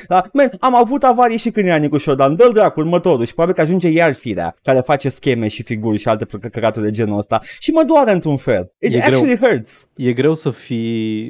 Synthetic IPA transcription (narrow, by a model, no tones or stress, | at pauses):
lamɛnamavut̪avaɾieʃikɨnjeanikuʃod̪and̪əld̪ɾakurmət̪o̞ɾuʃipɾobabilkəaʒund͡ʒe̞jarfiɾea̰kaɾefat͡ʃe̞skʲe̞me̞ʃifiɡurʲʃialt̪epkəkat̪urʲd̪e̞d͡ʒe̞nuəst̪aʃiməd̪waɾəɨnt̪ɾunfe̞̰lit̪eæt͡ʃuliɦəɾt̪sjeɡɾe̞wsəfi